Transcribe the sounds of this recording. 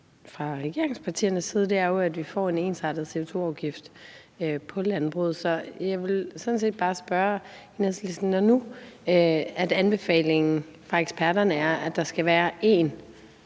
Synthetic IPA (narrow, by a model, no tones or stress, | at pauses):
fʁɑ̈ʁɛɡ̥e̝ɐe̝ŋspʰɑ̈t͡sʰḭːɐnəsiːð̞ˠd̥eæɐjoæd̥ʋifɒ̰ːe̝ne̝ːnsɑ̈d̥ð̞̩ˠse̝o̝t͡sʰo̝̰ːɑ̈ʊɡ̥ifd̥ | øpʰɒ̽lænb̥ʁṵð̞̩ˠsɒ̽jɑ̈ɪʋe̝lsɒ̽d̥n̩s̬e̝̰ːd̥̚b̥ɑ̈ːsb̥ɶːɐenæslisn̩nɒnuøæd̥ænb̥e̝fɛ̰ːle̝ŋn̩fʁɑ̈eɡ̥spʰæɐɾɐnəæɐæd̥ɑ̈sɡ̥æʋæːɐʔe̝ːn